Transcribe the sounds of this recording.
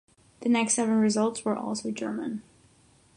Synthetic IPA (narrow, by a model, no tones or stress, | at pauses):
ðɨnɛkstsɛvə̃nɹɨzʌlˠtswə˞ʔɔ̰lˠsoʊd͡ʒɜ̰˞mə̃n